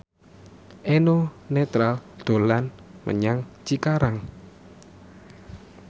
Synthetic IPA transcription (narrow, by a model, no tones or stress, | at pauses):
ʔenonet̪ɾald̪̥o̤lanmʔə̰ɲaŋt͡ʃikaɾaŋ